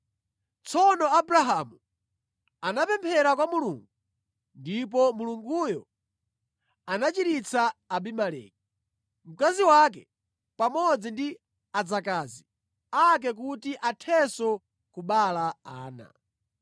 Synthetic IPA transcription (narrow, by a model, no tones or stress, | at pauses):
t͡sʰɔnɔabɾaɦamu | anapɛmpʰɛɾakwamuluŋɡu | ndip̬ɔmuluŋɡujɔ | anat͡ʃiɾit͡sʰaːbimalɛ̰ːk̚i | m̩kaziwak̬ɛ | pamɔd͡zindi | ad͡zakaːzi | ak̬ɛk̬utiʔatʰɛsɔ | kuɓalaaːna̰